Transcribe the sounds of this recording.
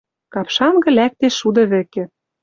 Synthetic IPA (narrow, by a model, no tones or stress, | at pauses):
kɑpʃɑnɡɤ̆læk̚t̪eʃud̪ɤ̆βɘ̆kĕ